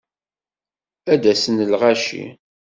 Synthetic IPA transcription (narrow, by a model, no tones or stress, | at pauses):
æd̪æsənəlʁaʃḭ